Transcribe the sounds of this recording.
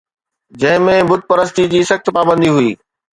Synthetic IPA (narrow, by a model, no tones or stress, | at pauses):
d͡ʑɐ̃ɦɪ̃mẽbʊd̪̚pɐɾəst̪id͡ʑiːsɐxt̪paːbə̃nd̪iɦuiː